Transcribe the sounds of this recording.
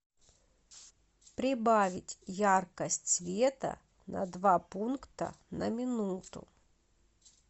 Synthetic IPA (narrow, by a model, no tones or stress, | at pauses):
pɾʲɪbavʲɪtʲjarkəsʲtʲsvʲet̪ə̰ | nɐ̰d̪vapunkt̪ə̰ | nəmʲɪnut̪ʊ̰